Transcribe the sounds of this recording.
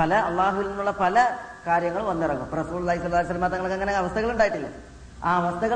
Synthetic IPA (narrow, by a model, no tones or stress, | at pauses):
pɐlɐɐlˠˤːaːɦuʋilninːuɭːɐpɐlɐkaːɾjɐŋːɐɭʋɐnːɐrɐŋːṵmrɐsuːlulːaːɦisɐlːaːisɐlːɐmaːt̪ːɐŋːɐɭokːeŋːɐneɐʋɐst̪ʰɐɣɐɭuɳɖaːjiʈːilːɐ̰ | aːɐʋɐst̪ʰɐɣɐ